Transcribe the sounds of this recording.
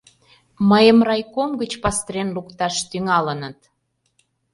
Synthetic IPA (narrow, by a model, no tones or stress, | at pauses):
məjəmrɑjkomɡət͡ɕpɑst̪ɾenlukt̪ɑʃt̪yŋɑlənət̪